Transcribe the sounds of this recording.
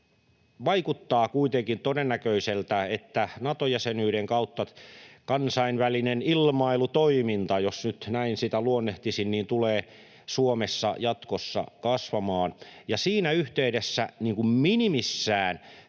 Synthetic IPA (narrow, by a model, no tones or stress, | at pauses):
ʋɑikut̪ːɑːkuit̪eŋkint̪odenːækøiselt̪æet̪ːænɑt̪ojæsenyːɾeŋkɑut̪ːɑkɑnsɑinʋælinenilmɑilut̪oimint̪ɑjosnyt̪næinsit̪æluonːeht̪isinniːnt̪uleː | suomesːɑ̰jɑt̪kosːɑ̰kɑsʋɑmɑːnjɑsiːnæyht̪eydesːæniːŋkumminimisːæːn